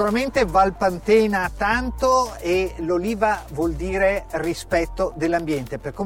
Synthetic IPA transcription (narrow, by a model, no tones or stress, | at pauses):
uɾament̪evalpant̪eːnat̪ant̪oeloliːvavwɔld̪iːɾerispɛt̪ːod̪elːambjɛnt̪eperko